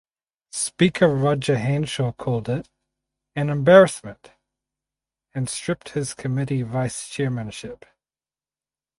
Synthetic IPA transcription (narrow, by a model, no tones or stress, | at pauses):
spikʰə˞ɹɑd͡ʒəɦæ̃nʃəkʰɔlˠdɪɾ | ɨ̃nɨ̃mbɛɹɨsmɨ̃nt | ɨ̃nstɹ̥ɪp̚t̚hɪz̥kʰɨmɪɾivaɪst͡ʃʰɛɹmɨ̃nʃɪp